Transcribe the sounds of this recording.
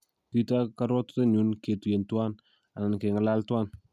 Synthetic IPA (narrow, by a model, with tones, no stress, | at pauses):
ti˦ta˦kaɾɔ˦tte˦ɲu˦nke˨tu˨e˨ntwa˦n | a˨na˨nke˨ŋə˦la˦ltwa˦n